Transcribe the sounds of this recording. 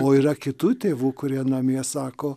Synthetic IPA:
oːiːɾɐkʲɪt̪uːt̪ʲeːʋuːkʊɾʲiɛnɐmʲiɛsɑːkoː

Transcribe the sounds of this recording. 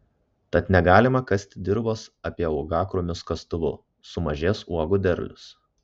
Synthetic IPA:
t̪ɐt̪nʲɛɡɑːlʲɪmɐkɐsʲt̪ʲɪd̪ʲɪɾboːsɐpʲiɛɔʊɡɑːkɾoːmʲɪskɐst̪ʊʋʊ̰ | sʊmɐʒʲeːsuɔɡʊd̪ʲɛɾʲlʲʊs

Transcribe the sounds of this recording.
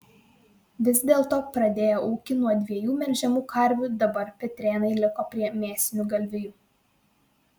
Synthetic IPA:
ʋʲɪsd̪ʲeːlˠt̪oːpɾɐd̪ʲeːjoʔuːkʲɪnuɔd̪ʲʋʲiɛjuːmʲɛɾʲʒʲɛmuːkɐɾʲʋʲuːd̪ɐbɐɾpʲɛt̪ʲɾʲeːnɐɪlʲɪkoːpʲɾʲiɛmʲeːsʲɪnʲuɡɐlʲʋʲɪjuː

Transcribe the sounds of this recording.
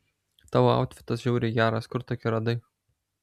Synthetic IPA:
t̪ɑːʋoɑ̰ʊt̪ʲfʲɪt̪ɐsʒʲuʊɾʲeɡʲæːɾɐskʊɾt̪oːkʲɪɾɐd̪ɐɪ

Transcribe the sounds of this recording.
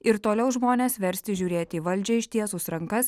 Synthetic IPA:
ɪɾt̪oːlʲɛʊʒmoːnʲeːsʋʲɛɾʲsʲt̪ʲɪʒʲuːɾʲeːt̪ʲiːʋɐlʲˑd͡ʒʲɛɪʃʲt̪ʲiɛsuːsɾɐŋkɐs

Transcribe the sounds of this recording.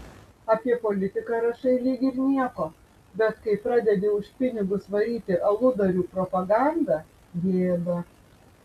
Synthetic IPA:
ɐpʲiɛpɔːlʲɪt̪ʲɪkɑɾɐʃɐɪlʲiːɡʲiɾnʲiɛkoː | bʲɛt̪kɐɪpɾɑːd̪ʲɛd̪ʲeːʊʃʲpʲɪnʲɪɡʊsʋɐɾʲiːt̪ʲɪʔɐlˠʊd̪ɐɾʲuːpɾɔpɐɡɑnd̪ɑː | ɡ̪ʲeːɛb̪ɐ

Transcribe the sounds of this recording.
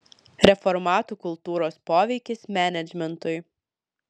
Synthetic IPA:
ɾʲɛfɔɾmɑːt̪uːkʊlˠt̪uːɾoːspoːʋʲɛɪkʲɪsmʲæːnʲɛd͡ʒʲmʲɛnt̪ʊɪ

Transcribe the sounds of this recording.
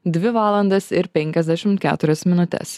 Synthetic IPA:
d̪ʲʋʲɪʋɑːlˠɐnd̪ɐsɪɾpʲɛŋʲkʲɛzʲd̪ʲæʃʲɪmt̪̚kʲæ̰ːt̪ʊɾʲɛsmʲɪnʊt̪ʲɛ̰s

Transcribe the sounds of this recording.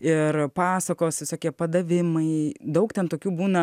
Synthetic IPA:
ɪrpɑːsɐkoːsʋʲɪsoːkʲiɛpɐd̪ɐʋʲɪmɐɪd̪ɐʊkt̪ʲɛnt̪oːkʲuːbuːnɐ

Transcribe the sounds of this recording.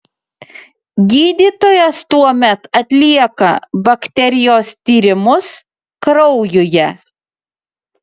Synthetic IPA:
ɡʲiːd̪ʲiːt̪oːjɛst̪uɔmʲɛt̪ɐt̪ʲlʲiɛkɐ̰bɐkt̪ʲɛɾʲɪjoːst̪ʲiːɾʲɪmʊs | kɾɔʊjʊjɛ

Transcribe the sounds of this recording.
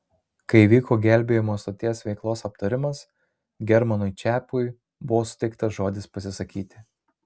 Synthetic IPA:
kɐɪiʋʲiːkʰoːɡʲæˑlʲbʲeːjɪmoːst̪oːt̪ʲiɛsʋʲɛɪklˠoːsɐp̚t̪ɐɾʲɪmɐs | ɡʲɛɾmɐnʊɪt͡ʃʲæːpʊɪ | bʊʋoːsʊ̥t̪ʲɛɪk̚t̪ɐsʒoːd̪ʲɪspɐsʲɪsɐkʲiːt̪ʲɪ

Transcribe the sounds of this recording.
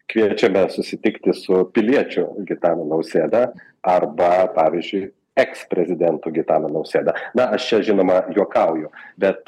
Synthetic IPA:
kʋʲiɛt͡ʃʲɛmʲɛsʊsʲɪt̪ʲɪkt̪ʲɪsʊpʲɪlʲiɛt͡ʃʲʊɡʲɪt̪ɑːnonɐʊsʲeːd̪ɐ | ɐrbɐpɑːʋʲɪzʲd͡ʒʲʊɪ | ɛkspʲɾʲɛzʲɪd̪ʲɛnt̪uːɡʲɪt̪ɑːnɐnɐʊsʲeːd̪ɐnɐɐʃt͡ʃʲɛʒʲɪnoːmɐjuɔkɐʊjʊbʲɛt̪

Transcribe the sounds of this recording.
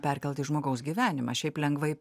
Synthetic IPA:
pʲɛrʲkʲɛlˠʲt̪ʲɪʒmoːɡɐʊsɡʲiːʋʲæːnʲɪmɑʃʲɛɪplʲɛŋɡʋɐɪ

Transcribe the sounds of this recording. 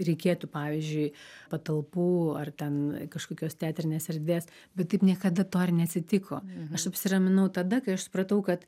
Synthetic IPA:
ɾʲɛɪkʲeːt̪upɑːʋʲiːzʲd͡ʒʲʊɪpɐt̪ɐlˠpuːɐrt̪ʲɛnkɐʃkoːkʲoːst̪ʲæːt̪ʲɾʲɪnʲeːsɛɾʲd̪ʲʋʲeːs | bʲɛt̪tɐɪpnʲiɛkɐd̪ɐt̪oːrʲnʲɛɐt̪ʲsʲɪt̪ʲɪkoːɐʃɐpʲsʲɪrɐmʲɪnɐʊt̪ɐd̪ɐkɐɪɐʃsʊ̥pɾɐt̪ɐʊkɐt̪

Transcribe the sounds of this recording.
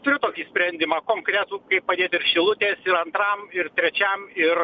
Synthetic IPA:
t̪ʊɾʲʊt̪oːkʲiːsʲpʲɾʲɛnʲd̪ʲɪmɑːkoːŋkɾʲɛt̪uːkɐɪppɐd̪ʲeːt̪ɪrʃʲɪlˠʊt̪ʲeːsɪɾɐnt̪ɾɐmɪrt̪ʲɾʲɛt͡ʃʲɛmɪr

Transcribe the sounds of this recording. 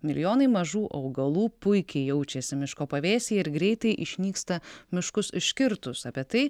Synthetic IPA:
mʲɪlʲɪjoːnɐɪmɐʒuːʔɐʊɡɐlˠuːpʊɪkʲɛɪjɛʊt͡ʃʲɛsʲɪmʲɪʃkoːpɐʋʲeːsʲiɪɾɡɾʲɛɪt̪ɐɪʔɪʃʲnʲiːkst̪ɐmʲɪʃkʊsɪʃʲkʲɪɾt̪ʊsɐpʲiɛt̪ɐɪ

